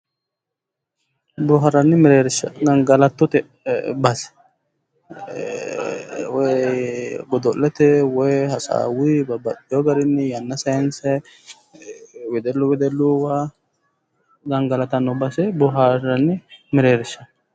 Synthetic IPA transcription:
bʊɦɐɾɐnːɪmɪɾeːɾɪʃːɐɡɐŋɡɐlɐt̪ːɔt̪ɛ | bɐsɛ̥ | wɔ | ɡɔd̪ɔlːɛt̪ɛwɔjhɐsa̰ːwibɐbɐtːɪjɔɡɐɾɪnːɪjɐnːɐsɐnsɛ | wɛd̪ɛlːʊwɛd̪ɛlːuwa | ɡɐŋɡɐlɐt̪ɐnːɔbɐsɛbʊɦaɾɐnːɪmɪɾeːɾɪʃːɐ

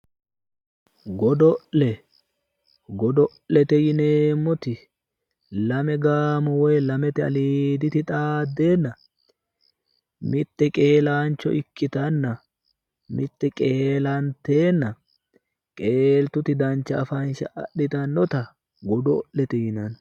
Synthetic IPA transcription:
ɡɔd̪ɔʔlɛ | ɡɔd̪ɔʔlːɛt̪ɛjɪneːmːɔt̪ɪ | lɐmɛɡaːmʊwɔjlɐmɛt̪ɛɐ̰liːd̪ɪt̪ɪt̪ʼaːd̪ːe̞ːnːɐ | mɪt̪ːɛkʼe̞ːlaːnt͡ʃːɔ̰ʔɪkːɪt̪ɐnːɐ | mɪt̪ːɛkʼeːlɐnt̪e̞ːnːɐ | kʼe̞ːlt̪ʊt̪ɪd̪ɐnt͡ʃːɐɐfɐnʃɐʔɐ̰ɗɪt̪ɐnːɔt̪ɐ | ɡɔd̪ɔʔlɛt̪ɛjɪnɐn

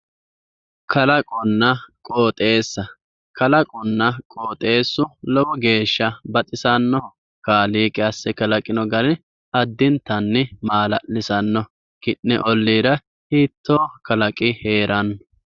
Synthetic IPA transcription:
kʰɐlɐkʼʊnːɐkʼoːt̪ʼe̞ːsːɐ | kɐlɐkʼʊnːɐkʼoːt̪ʼe̞ːsːʊlɔwɔɡe̞ːʃːɐbɐt̪ʼɪsɐnːɔ | kaːliːkʼɪɐsːɛkɐlɐkʼɪnɔɡɐlɪ | ɐd̪ːɪnt̪ːɐnːɛmaːlɐʔlɪsɐnːɔ | kɪnːɛʔɔlːiːɾɐ | hiːt̪ːoːkɐlɐkʼɪheːɾʔɐnːɔ

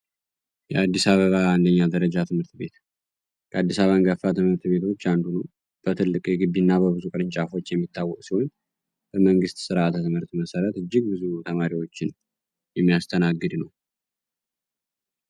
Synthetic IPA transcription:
jɛad̪ːisaβəβaand̪əɲːad̪əɾəd͡ʒat̪ʰɨmhɨɾt̪be̞t̪ | kʰəad̪ːisaβaŋɡəfːat̪ɨmhɨɾt̪be̞t̪ʰo̞t͡ʃːand̪unu | b̥ət̪ʰɨlːɨkʼjɛɡɨbːinːabəβɨzukʼɨɾɨnt͡ʃʼafo̞t͡ʃːjɛmːit̪ʰːawːɔkʼsiho̞n | b̥əməŋɡɨst̪sɨɾaat̪ʰt̪ɨmhɨɾt̪məsəɾət̪ɨd͡ʒːɪɡ̚bɨzut̪ʰəmaɾiwo̞t͡ʃːɪn | jɛmːijast̪ʰənaɡːɨd̪nəw

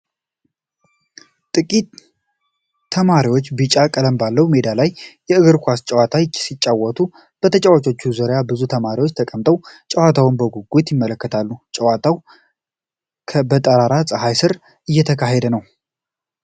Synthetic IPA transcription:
t̪ʼɨkʼit̪ | əmaɾiwo̞t͡ʃːbɨt͡ʃʼakʼələmbalːəwme̞d̪alajː | ɛɨɡɨɾkʷʰast͡ʃʼɛwat̪ʰasit͡ʃʼːawːɔt̪ʰu | b̥ət̪ʰət͡ʃʼawat͡ʃʼo̞t͡ʃːuzoɾjabɨzut̪ʰəmaɾiwo̞t͡ʃːt̪ʰəkʼəmt̪ʼəwt͡ʃʼəwat̪ʰawɨnbəɡuɡut̪jɪmːələkːət̪ʰalːut͡ʃʼəwat̪ʰaw | kʰəbət̪ʼəɾaɾasʼɨɦajsɨɾ | ʔɨjːɛt̪ʰəkʰaɦed̪ənəw

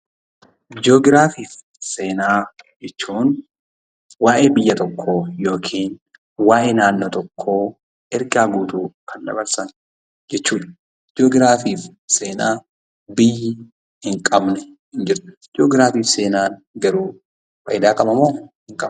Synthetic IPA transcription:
d͡ʒo̞ːɡɪɾaːfiːf | seːnaːd͡ʒɛt͡ʃːuːn | waːʔe̞ːbɪjːɐt̪ɔkʰːo̞ːjo̞ːkʰiːn | waːʔe̞ːnaːnːoːt̪ɔkʰːo̞ː | ɛɾɡaːɡuːt̪uːkʰɐnd̪ɐ̰bɐɾsɐn | d͡ʒɛt͡ʃːuːᶑɐ̥ | d͡ʒoːɡɪɾaːfiːfseːnaː | bɪjːɪ | hɪŋkʼɐbnɛ | hɪnd͡ʒɪɾt̪ʊ̥d͡ʒoːɡɪɾaːfiːfse̞ːnaːn | ɡɐɾuː | fɐ̰jɪd̪aːkʼɐmɐmoːhɪŋkʼɐ

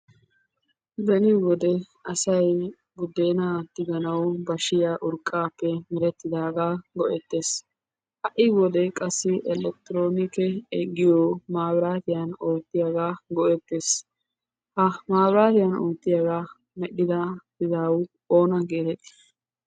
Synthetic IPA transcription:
d̪ɐnɪwɔd̪ɛ | ɐsɐj | bʊd̪eːnaːt̪ːɪɡ̪ɐnɐwbɐʃɪjaːʔʊɾkʼːaːpːɛmɪɾɛt̪ːɪd̪aːɡaːɡɔʔɛt̪ːe̞ːs | hɐʔɪwɔd̪ɛkʼɐsːɪʔɛlɛk̚t̪ɪɾoːnɪkɛɛɡɪjɔmaːwɾaːt̪ɪjano̞ːt̪ːɪjaɡaːɡɔʔɛt̪ːeːs | hɐmaːbɾaːt̪ɪjaːnoːt̪ːɪjaɡaː | mɛɗɪd̪ad̪ɪd̪aːwʊ | oːnɐɡeːt̪ɛt̪ːɪ̥

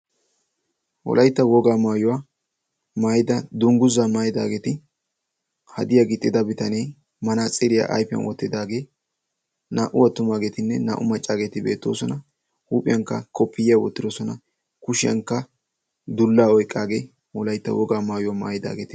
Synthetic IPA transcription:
wɔ̰lʔɐjt̪ːɐwɔɡaːmaːjʊwaː | maːjɪd̪ɐd̪ʊŋɡʊzaːmaːjɪd̪a̰ːɡeːt̪ɪ | hɐd̪ɪjaɡɪt̪ʼːɪd̪ɐbɪt̪ɐnej | mɐnat͡sʼɪɾɪja̰ːʔɐ̰jpɪjɐ̰nwɔ̰t̪ːɪd̪aːɡe̞ː | naːʔʊwɐt̪ːʊmaːɡeːt̪ɪnːɛna̰ːʔʊmɐt͡ʃʼːaːɡeːt̪ɪbeːt̪ːoːsɔnɐ | huːpʼɪjɐŋkːɐkɔpːɪjjawɔ̰t̪ːɪd̪ɔsɔnɐ | kʊʃɪjɐ̰ŋkːɐ | d̪ʊlːaːɔjkʼːaːɡeː | wɔlɐjt̪ːɐ̰wɔɡaːmaːjʊwaːma̰ːjɪd̪a̰ːɡeːt̪ɪ

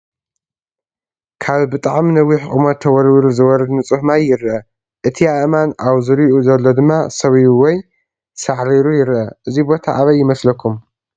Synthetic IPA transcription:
kʰaβbɨt̪ʼaʕminɐwiħkʼɨmɐt̪ʰːɐwɔɾwɾuzɨwɔɾɐd̪nɨt͡sʼɨħmajːɪɾʔɐ | ʔɨt̪ʰiaʔmanʔaβzɨɾiʔuzɐlːo̞d̪ɨmːasɐβiuwɔj | saʕɾiɾujɪɾʔɐʔɨzibo̞t̪ʰa̰ʔaβɐjːɪmɐslɐkʰːum

